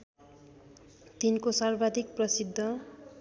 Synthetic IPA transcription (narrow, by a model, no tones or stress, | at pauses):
t̪inkosarbad̪ʱik̚prʌsid̪ʱːʌ